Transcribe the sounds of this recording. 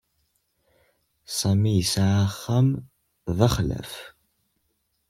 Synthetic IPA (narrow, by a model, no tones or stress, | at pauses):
sɐmijɪsaʕaχɐm | vɐχɮɐ̰f